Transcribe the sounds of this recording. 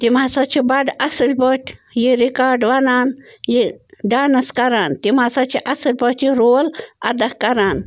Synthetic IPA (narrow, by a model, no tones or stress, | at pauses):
t̪imaːsat͡ʃʰibɐɖɐsəlʲpoːtʲjiɾikaːɾɖʋɐnaːnjiɖaːnɐskɐɾaːnt̪imaːsat͡ʃʰiʔɐsəlʲbot̪iɾoːlɐ̰d̪ɐhkɐɾaːn